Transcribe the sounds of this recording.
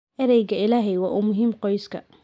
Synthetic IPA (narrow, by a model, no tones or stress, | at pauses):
ʔɐɾɛjɣɐɪlaːɦɛjwɑːʔuːmʊɦiːmqɔjskʰɐ̰